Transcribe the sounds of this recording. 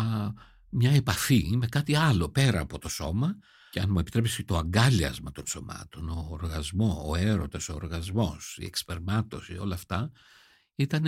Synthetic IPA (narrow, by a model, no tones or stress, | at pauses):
mɲɐe̞pɐθime̞kɐt̪iɐlo̞pe̞ɾɐːpo̞t̪o̞so̞mɐ | ceɐnmue̞pit̪ɾepist̪o̞ɐŋɡɐliɐ̰zmɐt̪o̞nso̞mɐ̰t̪o̞no̞ːɾɣɐzmo̞oe̞ɾo̞t̪ɐsoːɾɣɐzmo̞sḭe̞̰kspeɾmɐt̪o̞sio̞lɐːft̪ɐ | it̪ɐn